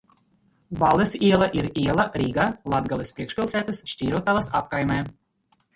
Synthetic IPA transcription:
valˠɛsiɛlˠaʔiɾiɛlˠaɾiːɡalˠad̪ɡalʲˠɛspɾiɛkʃpʲilˠsæːt̪ɐsʃtʲiːɾut̪avasap̚kajmɛː

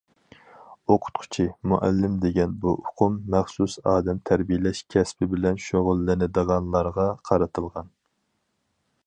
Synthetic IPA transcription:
oqʰʊ̥t̪̚qʰʊ̥t͡ʃʰimuʔɛ̰lːɪmd̪eɡʲɛnbuʔʊqʰʊmːæχsusɑːd̪ɛmt̪ʰæɾbijɪlɛʃkʲʰɛspʰɪbɪlɛnʃoʁʊlˠːɪnɪd̪əʁɑnlˠɑɾʁɑqʰɑɾɨt̪ʰɨlˠʁɑn

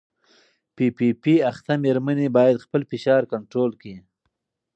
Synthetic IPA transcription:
pipipiaxt̪ameɾmanibɑjad̪xpəlfɪʃɑɾkaɳʈɾolki

